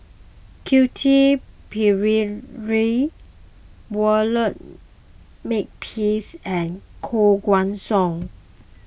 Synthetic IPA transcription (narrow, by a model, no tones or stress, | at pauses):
kʰjutʰipʰiɹiɹi | wələt̚ | mek̚pʰisɛ̃nkʰoɡwãnsɔ̃ŋ